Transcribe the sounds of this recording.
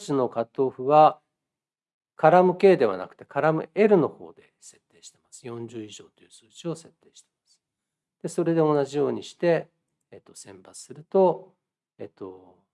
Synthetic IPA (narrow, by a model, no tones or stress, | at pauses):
t͡ɕino̞kat̪ːo̞ːɸɯ̟βa | kaɾamɯ̟ke̞ːd̪e̞β̞a̰na̰kɯ̥t̪e̞kaɾamɯ̟e̞ɾɯ̟no̞ho̞̰ːd̪e̞ | se̞t̪ːe̞ːɕi̥t̪e̞̥masɨ̥jõ̞ɲd͡ʑɨːiʑo̞ːt̪o̞jɯ̟ːsɨːʑio̞se̞t̪ːe̞ːɕi̥t̪e̞̥mmasɨ̥ | d̪̥e̞so̞ɾe̞d̪e̞o̞naʑijo̞ːɲ̟iɕi̥t̪e̞ː | t̪ːo̞sẽ̞mpat͡sɨ̥sɨɾɯ̟t̪o̞ | et̪ːo̞